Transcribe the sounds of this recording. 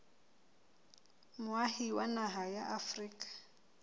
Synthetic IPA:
mʊahiwanaɦajaʔafriːkʼḁ

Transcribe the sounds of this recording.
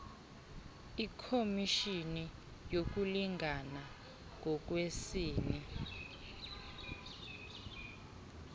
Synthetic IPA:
ikʰomiʃini | jok̬uliŋɡʱana | ŋʱɔk̬wesiːni

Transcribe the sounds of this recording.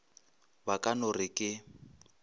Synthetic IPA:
bakʼanʊrɪkʼɪ

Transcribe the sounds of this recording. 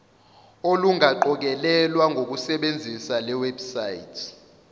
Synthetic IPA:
oluŋaǃɔk̬ɛlɛlwaŋɡʱok̬usɛɓend͡zʱisalɛwɛbsajḭtʰ

